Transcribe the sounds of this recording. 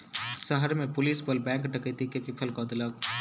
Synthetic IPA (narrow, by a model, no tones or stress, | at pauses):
səɦəɾmẽpʊliːsbəlbɛ̃ːŋkɖəkət̪ikepipʰəlkad̪ləɡ̚